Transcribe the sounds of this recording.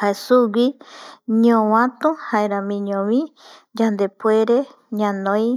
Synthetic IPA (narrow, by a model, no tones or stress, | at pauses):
haesuɡiɲõwãt̪ũhaeɾamĩɲõβĩd͡ʒand̪epueɾe | ɲãnõj